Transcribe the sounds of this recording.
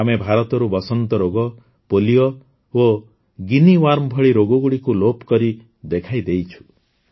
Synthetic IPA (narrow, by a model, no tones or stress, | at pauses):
amebʱaɾɔt̪ɔɾubɔsɔnt̪ɔɾoɡɔ | polijɔ | o | ɡiniwaɾmɔbʱɔɭiɾoɡɔɡuɽikulopkɔɾi | d̪ekʰajd̪ejt͡ʃʰu̥